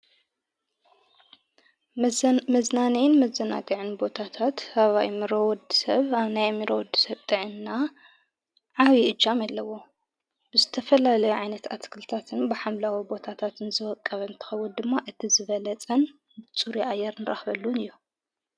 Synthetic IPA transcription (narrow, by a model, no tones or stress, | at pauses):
mɐznanijnmɐzːɐna̰ɡɨʕɨnbo̞t̪ʰat̪ʰat̪haβaʔimɨɾowɔd̪isɐβaβnajmːiɾowɔd̪ɨ̥sɐβt̪ʼɨʕɨnːa | ʕawiʔɨd͡ʒamalːɐwo | b̥ɨzɨt̪ʰɐfɐlalɐjuʕajnɐt̪a̰t̪kʰɨlt̪ʰat̪ʰɨnbɨħamlawibo̞t̪ʰat̪ʰat̪ɨnzɨwɔkʼːɐβɐɨnt̪ʰɨ̥xɐwːund̪ɨmːaʔɨt̪ʰizɨβɐlɐt͡sʼɐn | bɨt͡sʼuɾiʔajːɛɾnɨɾʔa̰xβɐlːunɨjːu